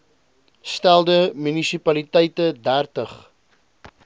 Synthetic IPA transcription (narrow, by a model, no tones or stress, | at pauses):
stælˠdəmynisipɐlitəjtədærtəχ